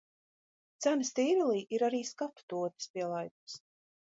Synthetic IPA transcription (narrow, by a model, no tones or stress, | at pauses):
t̪sænəst̪iːvɛlˠiːʔiɾaɾiːskapt̪uɔt̪ə̥spiɛlˠajku̥s